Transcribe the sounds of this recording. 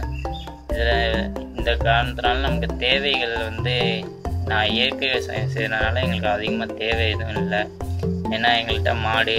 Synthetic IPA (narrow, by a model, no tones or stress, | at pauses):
ɪðɪlɪnd̪ɐkaːɾɐnɐt̪ːɯnaːlnɐmɐkːɯt̪eːʋɐɪɣɐɭʋɐnd̪ɯ | nãːeːɾkɯsɐ̰jɐmsɛ̰jɾɐnaːlɐɛŋɡɐɭɯkːɯɐðɯɣɐmaːt̪eːʋɐɐɪðɯ̃ɪlːɐeːnːaːɛŋɡɐɭʈːãːmaːɽɯ